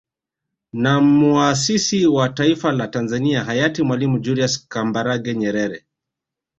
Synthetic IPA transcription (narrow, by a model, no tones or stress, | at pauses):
namuas̬isiwataifalatanzaniaɦajatimwalimud͡ʒuɾiaskambaɾaɡɛɲɛɾɛɾɛ